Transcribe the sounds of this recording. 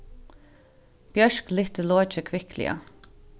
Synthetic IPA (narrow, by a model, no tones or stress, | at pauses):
b̥jœʃklɪht̪əloːt͡ʃəkʰʋɪklɪ̰a̰